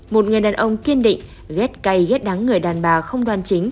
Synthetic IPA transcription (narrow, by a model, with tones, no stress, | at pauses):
mo˨˩t̚ŋɨ˨˩əjɗaː˨˩nʔə˧wŋ͡mki˧ənɗḭ˧˨ŋ̟ | ɣɛ˦˥t̚ka˧jɣɛ˦˥t̚ɗa˨˦ŋːɨ˨˩əjɗaː˨˩nɓaː˨˩xə˧wŋ͡mɗwaː˨˩nt͡ɕi˨˦ŋ̟